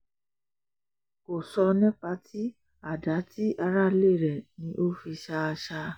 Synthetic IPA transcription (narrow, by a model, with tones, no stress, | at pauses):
ko˨sɔ˧nɛ̃˦k͡pa˦tʰi˦ | a˨da˨˦ti˦ʔa˧ɾa˦le˦˨ɾɛ˨nĩ˧˦ʔo˦fi˧ʃa˧ʃa˧